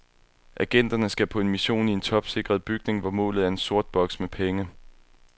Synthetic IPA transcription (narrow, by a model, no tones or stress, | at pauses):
ʔæɡ̥en̰d̥ɐnəsɡ̥æpʰɒ̽e̝nmiɕo̝̰ːnie̝nt͡sʰɒ̽b̥se̝ɡ̥ʁɐðˠb̥yɡ̥ne̝ŋʋɒmɔ̰̽ːlð̩ˠæɐe̝nso̝ɐ̰d̥̚b̥ɒ̽ɡ̥smepʰeŋə